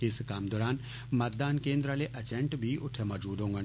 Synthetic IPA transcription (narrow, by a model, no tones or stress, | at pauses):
ɪskaːmd̪ɔːɾaːn | mɐt̪̚d̪aːnkẽːnd̪ɾaleʔɐt͡ʃẽɳʈbʱiʊʈʰemɐd͡ʒuːd̪õːŋɡɐn